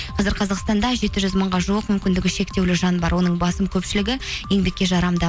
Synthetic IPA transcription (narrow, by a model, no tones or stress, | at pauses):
qʰɑzɪɾqʰɑzɑqst̪ɑnd̪ɑʒe̞t̪ɪʒʏzməɴʁɑʒuwəqmʏmkʲɪnd̪ɪɡʲɪʃe̞kt̪e̞wlɪʒɑnbɑɾwo̞nəɴbɑsəmkʲʰɵpʃɪlɪɡʲɪje̞ŋbe̞kʲːe̞ʒɑɾɑmd̪ɑ